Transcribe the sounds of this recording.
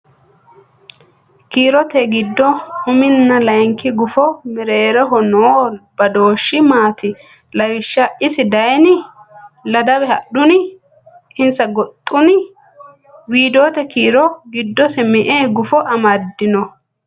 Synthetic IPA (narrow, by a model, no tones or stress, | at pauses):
kiːɾɔt̪ɛɡɪd̪ːɔhʊmɪnːɐlɐjŋkɪɡʊfɔmɪɾeːɾɛɦɔnoːbɐd̪o̞ːʃːɪmaːt̪ɪ | lɐwɪʃːɐɪsɪd̪ɐjnɪ | lɐd̪ɐwɛhɐɗʊnɪ | ɪnsɐɡɔt̪ʼːʊnɪ | wiːd̪o̞ːt̪ɛkiːɾɔɡɪd̪ːɔsɛmɛʔeːɡʊfɔʔɐmɐd̪ːɪnɔ